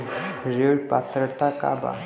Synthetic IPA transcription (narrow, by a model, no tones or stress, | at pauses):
ɾoʈpat̪ɾət̪aka̰ba̰